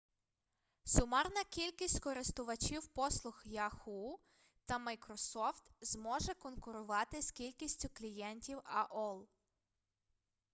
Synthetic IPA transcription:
sʊmɑrnɐkʲilʲkʲisʲtʲkɔɾɪst̪ʊʋɐt͡ʃiwpɔslˠʊxjɐxu | t̪ɐmɐjkɾɔsɔft̪zmɔʒɛkɔnkʊɾʊʋɑt̪ɪskʲilʲkʲisʲtʲʊklʲijɛnʲtʲiwɐʔɔlˠ

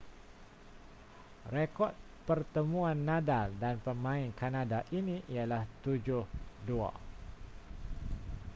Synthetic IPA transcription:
rekɔt̪̚ | pərt̪əmũãnːadaldanpəmãɪnkanadaʔinĩʔialaht̪ud͡ʒʊhdua̰

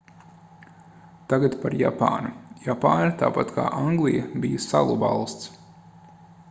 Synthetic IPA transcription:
t̪aɡat̪paɾja̰pa̰ːnujapaːnat̪aːpat̪kʰa̰ːʔaŋɡlˠijɐbijɐsa̰lˠubɑlˠst̪s

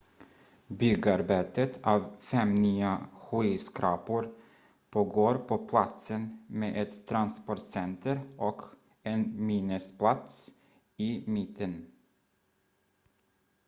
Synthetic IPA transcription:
bʏɡaɾbeːt̪ət̪ʰɑːvfɛmnyːaɧiːskɾɑːpʊɾ | pʰoːɡoːɾpʰɔpʰlat̪sənmeːʔɛt̪ʰːɾanspɔʈsɛnt̪ʰəɾʔɔk | ɛnmiːnəspʰlat̪s | ɪmɪt̪ʰːən

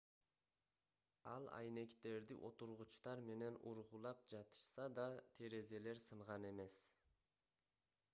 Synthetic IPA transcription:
ɑlˠɑ̰jne̞kt̪e̞ɾd̪ḭʔo̞t̪uɾʁut͡ʃt̪ɑɾme̞ne̞nʔuɾʁulˠɑp̚d͡ʒɑt̪ɯ̥ʃsɑd̪ɑt̪ʰeɾe̞ze̞le̞ɾsɯɴʁɑne̞me̞s

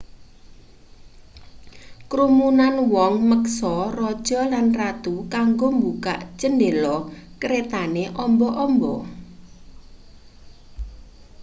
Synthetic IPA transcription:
kɾumunanwɔŋməksɔrɔd̥ʒ̥ɔ̤lanrat̪ukaŋɡombuka̰ʔt͡ʃəndelɔkəɾet̪aneʔɔmbɔʔɔmbɔ

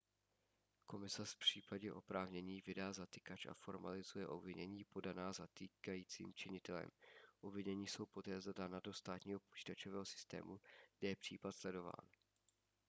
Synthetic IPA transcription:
ko̞mɪsɛpr̝̥iːpaɟɛʔo̞̰pɾaːvɲɛɲiːvɪdaːzat̪ɪkat͡ʃa̰fo̞ɾma̰lɪzujɛʔo̞bvɪɲɛɲiːpo̞danaːzat̪ikajiːt͡sḭːmt͡ʃɪɲɪt̪ɛlɛ̰mʔobvɪɲɛɲiːso̞wpo̞t̪ɛːzdadanado̞st̪aːt̪ɲiːɦo̞po̞̥t͡ʃi̥ːt̪at͡ʃovɛːɦosɪ̥st̪ɛ̰ːmuɡdɛjɛpr̝̥ḭːpat̪slɛdo̞va̰ːn

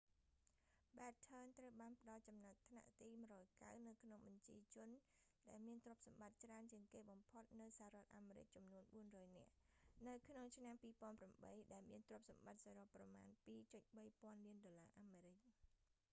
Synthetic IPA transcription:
ɓaɛt̪̚t͡ɕʰəːnt̪rəwɓaːnpə̆ɗɑlt͡ɕɑmnat̪̚t̪ʰna̰ʔt̪iːmɨəɾɔːjka̰wnɨwkʰnoŋɓɑɲt͡ɕiət͡ɕʊ̆ənɗaɛlmiənt̪rŏəp̚sɑmɓat̪̚t͡ɕraənt͡ɕiəŋkeːɓɑmpʰot̪̚nɨwsahaːɾɔ̆ət̪̚ʔaːmeːɾɨ̰c̚t͡ɕɑmnuənɓuənrɔːjnɛ̆əʔnɨwkʰnoŋt͡ɕʰnampiːpoənpramɓəjɗaɛlmiənt̪rŏəp̚sɑmɓat̪̚saːɾopːrɑma̰ːnpiːt͡ɕəc̪̚ɓəjpŏənliənɗoːlaːʔaːmeːɾɨc̚

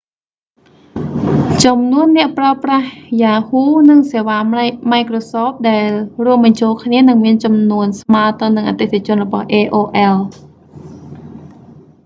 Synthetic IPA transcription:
t͡ɕɑmnuənːɛ̆əʔpraəprahjaːhuːnɨŋseːʋaːmaɛkrosɔːp̚ɗaɛlruəmɓɑɲt͡ɕoːlkʰniənɨŋmiənt͡ɕɑmnuənsmaːət̪onːɨŋʔa̰ːt̪et̪ʰet͡ɕʊ̆ənrɔɓɑhʔeːʔoːʔɛl

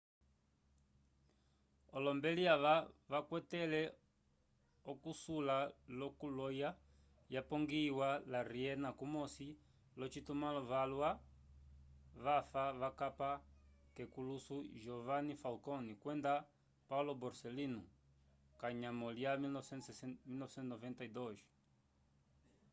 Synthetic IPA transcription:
ɔlɔmbɛliaʋavakwɛtɛlɛ | ɔkusulalɔkulɔja | japɔŋɡiwalaɾiɛnakumɔsi | lɔt͡ʃitumalɔvalwa | vafaβakapakɛkulusuʒɔvanifalkɔnikwɛnda | paulɔbɔɾsɛlinu | kaɲamɔliamiɔsɛmilnɔvsɛnnɔvɛntaidɔʒi̥

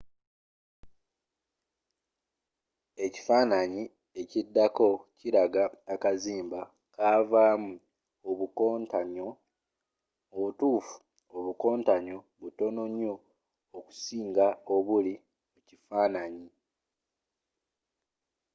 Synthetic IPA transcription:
e̞ci̥faːnaɲi | e̞cidːako̞ciɾaɡaːkaziːmba | kʰaːvaːmu | oβukontaɲo | oβutuːfu̥ | oβuko̞ːntaɲo̞ | βuto̞no̞ɲːo̞ː | ku̥siːŋɡao̞βuli | mucifaːnaɲi

